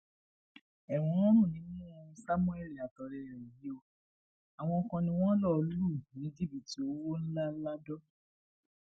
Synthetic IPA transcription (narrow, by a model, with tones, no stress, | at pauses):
ɛ˨w̃ɔ̃˧˦ɔ̃˦nũ˦˨nĩ˨˦ñũ˦˧˦sa˦mũ˦ɛ˦˨li˨a˨tɔ˨ɾɛ˧˨ɾi˨ji˨˦o˧ | a˨w̃ɔ̃˧ɔ˧kã˧nĩ˧w̃ɔ̃˦lɔ˦˨lu˦˨nĩ˨˦d͡ʒi˦bi˨ti˨o˦wo˦n̩˦la˦la˦dɔ˦